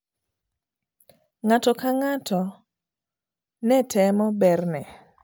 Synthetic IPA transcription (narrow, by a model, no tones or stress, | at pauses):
ŋatɔkaŋatʰɔ | nɛtʰɛmɔbɛrnɛ